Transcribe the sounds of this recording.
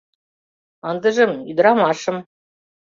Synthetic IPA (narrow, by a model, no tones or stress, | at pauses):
ɑnd̪ə̆ʒɤ̆myd̪ɾɑmɑʃɤ̆m